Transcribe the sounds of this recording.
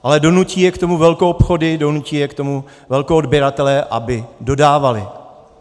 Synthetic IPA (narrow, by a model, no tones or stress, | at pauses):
ʔalɛdo̞nuciːjɛkt̪o̞muvɛlkoʔopxo̞dɪdo̞nuciːjɛkt̪o̞mu | vɛlkoodbjɛɾat̪ɛlɛʔa̰bɪdo̞daːvalɪ